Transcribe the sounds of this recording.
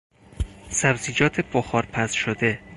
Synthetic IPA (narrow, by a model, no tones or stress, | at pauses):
sæbziːd͡ʒɒːt̪ʰeboxɒːɾpʰæsʃod̪e